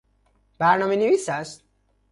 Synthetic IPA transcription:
b̥æɾnɒːmenevisæst̪

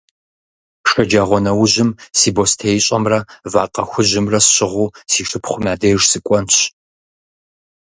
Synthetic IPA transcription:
ʂɐd͡ʒaːʁʷɔnɐwʊʑɪmsiːbostʰejɕʼɐmrɐva̰ːqʼɐ̰xʷʊʑɪmrɐsɕʼɪʁʷuːsiːʂʼɨpχʷʊmʲaːdeʒsɨkʷʼɔnɕ

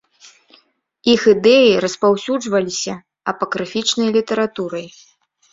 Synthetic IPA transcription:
ixɨd̪ɛjiɾɐspawsʲud͡ʐvɐlʲisʲɐ | ɐpɐkɾɨfʲit͡ʂnɐjlʲit̪ɐɾat̪uɾɐj

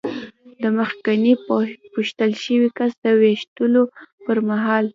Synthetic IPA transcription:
d̪əməxkanipuʃt̪əlʃəwikasd̪əweʃt̪əlopəɾmaɦɑl

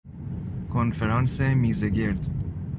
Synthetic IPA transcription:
kʰonfeɾɑːnsemiːzeɡeɾd̪

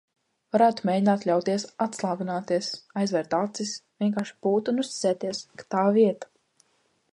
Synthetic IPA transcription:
vaɾæːt̪u̥meːjdʲinaːt̪lʲawt̪iɛsat̪slˠaːɡunaːt̪iɛsajzvɛɾt̪at̪sisvʲiɛŋkaːɾʃi̥buːt̪unust̪ʲi̥sʲɛːt̪iɛskḁt̪aːviɛt̪ḁ

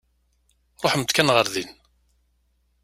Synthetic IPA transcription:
ɾˤoħmt̪kænʁəɾðin

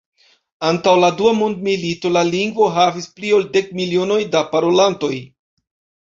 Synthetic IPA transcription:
antawladuamundmilito̞laliŋɡvo̞ɦavisplio̞lde̞kmilio̞no̞jdapaɾo̞lanto̞j

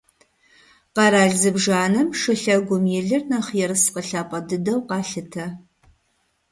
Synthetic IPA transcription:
qɑɾaːɮzɨbʐaːnɨmʂɨɬɐɡʷʊmjɪɮɨrnɐχjɛrɨsqəɬaːpʼɐdɨdɐwqɑːɬɨtʰɐ

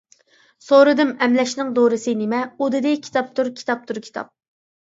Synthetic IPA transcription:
soɾɨd̪ɨmɛmlɛʃnɪŋd̪oɾɨsɨnɪmɛud̪ɨd̪ɪkʲʰi̥t̪ʰɑp̚t̪ʰuɾkʲʰi̥t̪ʰɑp̚t̪ʰuɾkʲʰi̥t̪ʰɑ̰p̚

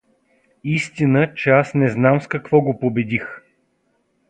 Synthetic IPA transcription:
ist̪inət͡ʃɛasnɛznamskɐkvɔɡopobɛd̪ix

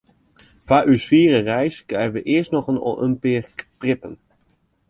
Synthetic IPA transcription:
v̥aːʔysfiːrərɛjskrɛjənʋəʔɪəstnɔxəno̰ʔəmpɪkprɪpən

